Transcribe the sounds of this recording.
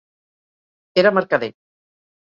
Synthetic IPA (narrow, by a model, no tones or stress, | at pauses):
eɾamaɾkaðe